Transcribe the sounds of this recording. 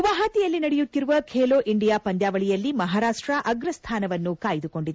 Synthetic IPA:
ʋaːɦɐt̪ijɐlːinɐɽɛjut̪ːiɾuʋɐkʰeːloːʔiɳɖijaːpɐnd̪jaːʋɐɭijɐlːimɐɦaːɾaːʂʈɾɐʔɐɡɾɐst̪ʰaːnɐʋɐnːukaːjid̪uko̞ɳɖid̪e

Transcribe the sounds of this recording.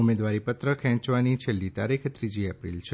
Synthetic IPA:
umed̪ʋaɾipət̪ɾəkʰɛ̃t͡ʃʋanit͡ʃʰelːit̪aɾikʰt̪ɾid͡ʒiɛpɾḭlt͡ʃʰe

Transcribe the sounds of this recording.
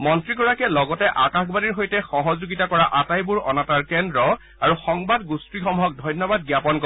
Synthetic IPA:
mɔntɹikɔɹakɛlɔɡɔtɛʔakaxbaniɹɦojtɛxɔɦɔzuɡitakɔɹaʔatajbuɹɔnataɹkɛndɹɔ | aɹuxɔŋbadɡustɹixɔmɦɔk̚dʱɔjnjɔbad̚ɡjapɔnkɔ

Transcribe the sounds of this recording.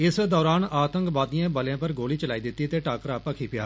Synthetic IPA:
ɪsd̪ɔːɾaːnaːt̪ə̃ŋkbaːd̪ijãːbəljãːpəɾɡoːliːt͡ʃəlaːiːd̪ɪt̪ːiːt̪eːʈaːkəɾaːpəkʰiːpɪjaː

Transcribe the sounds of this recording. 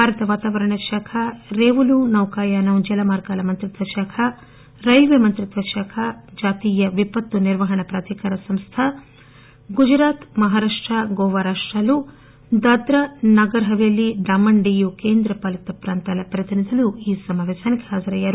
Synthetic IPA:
bʱaːɾɐt̪ɐʋaːt̪aːʋɐɾɐɳɐʃaːkʰɐɾeːʋulunɐwkaːjaːnɐud͡ʒɐlɐmaːɾkaːlɐmɐnt̪ɾit̪ʋɐʃaːkʰɐ | ɾɐjlʋemɐnt̪ɾit̪ʋɐʃaːkʰɐd͡ʒaːt̪iːjɐʋipɐt̪ːuniɾʋɐɦɐɳɐpɾaːt̪ikaːɾɐsɐmst̪ʰɐ | ɡud͡ʒɾaːt̪mɐɦaːɾaːʂʈɾɐɡoːʋɐɾaːʂʈɾaːlu | d̪ɐd̪ɾɐnɐɡɐɾɐɦɐʋeːlːiɖaːmɐɳɖijukeːnd̪ɾɐpɐlɐt̪ɐpɾaːnt̪alɐpɾɐt̪inisɐluiːsɐmaʋeːsɐnɐkeɦaːzɐɾɐjɐɾu

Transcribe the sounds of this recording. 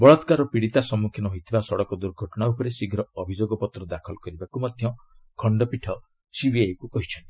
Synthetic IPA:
bɔɭɔt̪kaɾɔpiɽit̪asɔmːukʰjinɔɦojt̪ʰibasɔɽɔkɔd̪uɾɡʱɔʈɔɽ̃aupɔɾesiɡʱɾɔɔbʱid͡ʒoɡɔpɔt̪ɾɔd̪akʰɔlɔkɔɾibakumad̪ʱjɔ | kʰɔɳɖɔpiʈʰɔ | sibieekukɔɦit͡ʃʰɔnt̪i̥

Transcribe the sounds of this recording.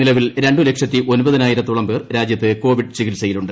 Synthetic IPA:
ilɐʋilɾe̞ɳɖule̞kʂɐt̪ːiʔo̞nubɐðinaːjiɾɐt̪ːuɭɐmpe̞ːrɾaːd͡ʑjɐt̪ːɨko̞ːʋiɖt͡ɕiɣilsɐjiluɳɖɨ

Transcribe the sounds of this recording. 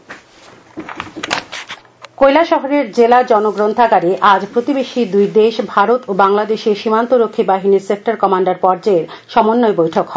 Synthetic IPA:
kojlaʃɔɦoɾeɾd͡ʑelad͡ʑɔnoɡɾont̪ʰaɡaɾiʔad͡ʑpɾot̪ibeʃid̪ujd̪eʃbʱaɾot̪obaŋlad̪eʃeɾʃimant̪oɾokʰːibaɦiniɾsek̚ʈaɾkɔmaɳɖaɾpɔɾd͡ʑaeɾ | ʃɔmonːoebojʈʰokhɔe

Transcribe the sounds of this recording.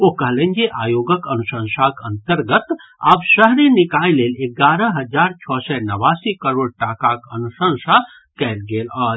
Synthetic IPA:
oɦkəɦlə̃nd͡ʒeʔaːjoːɡəkənusə̃nsakə̃nt̪əɾɡət̪a̰ːbʃəɦɾenɪkaːileːleɡaːɾəɦɐd͡ʒaːɾt͡ʃʰɔːsɛnəʋaːsikəɾoːɽʈaːkakənusə̃ŋsa | kɛlɡeːlɔː

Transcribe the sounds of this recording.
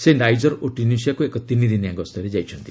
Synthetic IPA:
sedajd͡ʒɔɾoʈinisiakuekɔt̪inid̪iniaɡɔst̪ɔɾed͡ʒajt͡ʃʰɔnt̪i

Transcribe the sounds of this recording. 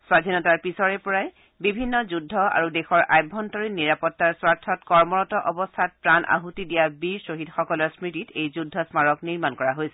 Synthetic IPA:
swadʱinɔtaɹpisɔɹɛpɔɹaj | bibʱinːɔzudʱːɔa̰ɹudexɔɹajbʱːɔntɔɹinːiɹapɔtːaɹswaɹtʰɔtkɔɹmɔɹɔtɔʔɔbɔstʰat̚pɹanʔa̰ɦutidijabiɹsoɦitxɔkɔlɔɹsmɹititejzudʱːɔsmaɹɔkniɹmankɔɹaɦojsɛ̥

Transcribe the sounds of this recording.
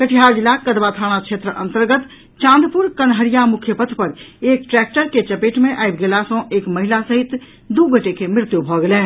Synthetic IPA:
kəʈʰiɦaɾd͡ʒilakəd̪bat̪ʰaɽ̃akt͡ʃʰet̪ɾəʔə̃nt̪əɾɡət̪ | t͡ʃãnd̪puɾkənɦəɾijamukʰjəpət̪ʰpəɾek̚ʈɾɛk̚ʈəɾket͡ʃəpeʈmeʔajbɡelasə̃ekməɦilasəɦit̪ | d̪uɡəʈekemɾɪt̪jubʱɔɡelɛ̃

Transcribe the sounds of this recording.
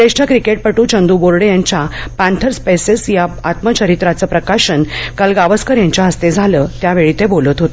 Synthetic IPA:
d̪eʂʈʰəkɾikeʈ̚pəʈuːt͡ɕʰənd̪uboɾɽejaɲt͡ɕapãnt̪ʰəɾspesesjaat̪mət͡ɕəɾit̪ɾat͡səːpɾəkaɕənkalɡaʋəskəɾjaɲt͡ɕaɦəst̪ed͡zʱalət̪jaʋeɭit̪ebolət̪ɦot̪ə

